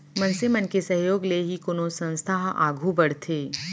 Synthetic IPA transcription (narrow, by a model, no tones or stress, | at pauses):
mɐ̃nsemənkesɐɦjoːɡleɦikʊnosə̃nst̪ʰaːɦa̰ːɡʱubɐɽ̤t̪ʰeː